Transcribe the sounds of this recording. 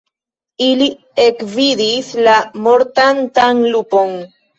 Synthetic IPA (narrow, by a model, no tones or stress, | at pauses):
ili | ekvid̪islamoɾt̪ant̪aŋlupoŋ